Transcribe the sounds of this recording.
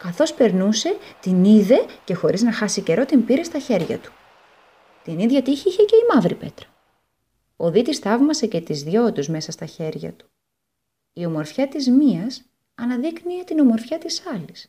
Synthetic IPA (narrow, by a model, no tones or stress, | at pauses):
kɐθo̞spe̞ɾnuse̞t̪iniðe̞ce̞xo̞ɾiznɐxɐsice̞ɾo̞t̪impiɾe̞st̪ɐçe̞ɾʝɐ̰t̪u̥ | t̪iniðʝɐt̪içiiçece̞imɐvɾipe̞t̪ɾɐ̥ | oðit̪ist̪ɐvmɐse̞ce̞t̪izðʝo̞t̪uzme̞sɐst̪ɐçe̞ɾʝɐ̰t̪u̥ | io̞mo̞ɾfçɐt̪izmiɐs | ɐnɐðikniet̪ino̞mo̞ɾfçɐt̪isɐlis